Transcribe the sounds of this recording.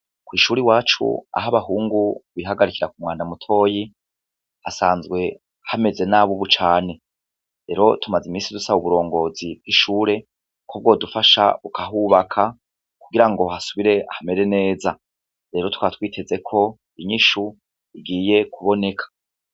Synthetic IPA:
kwiːʃuːɾiwaːt͡ʃṵa̰ɦaβaɦuːŋɡuβiɦaɡaɾikiɾakumŋaːndamutʰo̞ːji | hasaːnzɡwe̞ | hame̞ze̞naβuβut͡ʃaːne̞ | ɾe̞ɾo̞tʰumazimiːnsidusaβuβuɾo̞ːŋɡo̞zib̚ɡ̥iʃuːɾe̞ | kʰob̚ɡo̞ːdufaʃa̰ukʰaɦuβakʰa | kuɡiɾaŋɡo̞hasuβiɾe̞ahame̞ɾe̞ne̞ːza | ɾe̞ːɾo̞tkwatwiːtʰe̞ze̞kʰo̞ | iɲiʃu | iɡiːje̞kʰuβo̞ne̞kʰḁ

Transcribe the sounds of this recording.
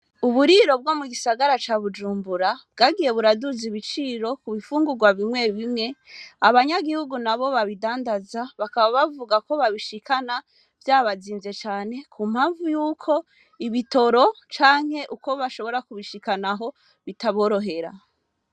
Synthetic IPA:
uβuɾiɾo̞b̚ɡo̞muɡisaɡaɾat͡ʃaβud͡ʒuːmbuɾabɡaɡije̞βuɾaduziβit͡ʃiːɾo̞kuβifuːŋɡuɡwaβimŋe̞βimŋe̞aβaɲaɡihuɡunaβo̞βaβidaːndazaβakaβaβavuɡako̞βaβiʃikʰana | vjaːβaziːnze̞t͡ʃaːne̞kʰumhaːɱvujuːkʰo̞ | iβito̞ɾo̞t͡ʃaːŋ̥he̞ʔuko̞βaʃo̞βo̞ɾakuβiʃikanaɦo̞ | βitaβo̞ːɾo̞ɦe̞ɾa̰

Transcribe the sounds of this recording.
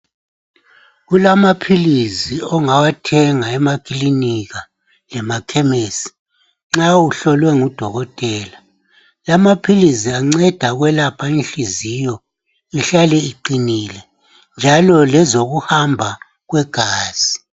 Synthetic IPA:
ɣulamapʰiliziɔŋawatʰɛŋaɛmakʼiliniɣa | lɛmakʰɛmeːsi̥ | ŋ͡ǁauɬɔlwɛŋud̥ʱɔɣɔtʼɛːla | lamapʰiliziaŋ͡ǀɛd̥ʱaɣwɛlapʰainɬizijɔ | iɬalɛiǃinilɛ | nd͡ʒʱalɔlɛzoɣuhambʱa | ɣwɛɡ̥ʱaːz̥i

